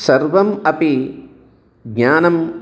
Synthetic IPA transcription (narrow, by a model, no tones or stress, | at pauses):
sɐɾʋɐmɐpi | ɡɲaːnɐm